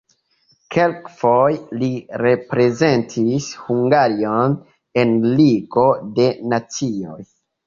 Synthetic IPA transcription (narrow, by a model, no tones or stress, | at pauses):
ke̞lkfojliɾe̞pɾe̞ze̞ntʰishuŋɡaɾio̞n | e̞nliɡo̞de̞nat͡sio̰j